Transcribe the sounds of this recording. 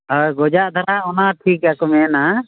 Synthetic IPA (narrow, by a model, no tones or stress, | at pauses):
ɔɡɔd͡ʒaʔd̪ʱaɾaɔnaʈʰikakɔmɛna